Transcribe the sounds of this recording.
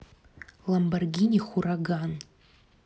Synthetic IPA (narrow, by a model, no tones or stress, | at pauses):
lambarɡʲinʲiχʷuraɡan